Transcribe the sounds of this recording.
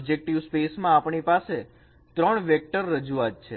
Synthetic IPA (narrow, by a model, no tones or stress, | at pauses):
bd͡ʒek̚ʈiʋspesmãːpɳipase | t̪ɾəɳʋɛk̚ʈəɾːəd͡ʒuat̪̚t͡ʃʰe